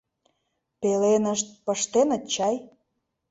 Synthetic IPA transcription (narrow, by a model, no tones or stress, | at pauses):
pelenəʃt̪̚pəʃt̪enə̆t͡ɕːɑj